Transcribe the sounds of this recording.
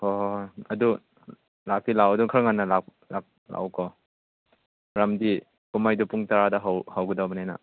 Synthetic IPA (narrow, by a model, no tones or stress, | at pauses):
hɔɐdu | lak̚tilawɐduŋkʰɾɐŋanːɐlak | lak̚la̰wkɔ | ɾamdi | kumajdupuŋtaɾadɐɦawhawɡɯdawbɐnajna̰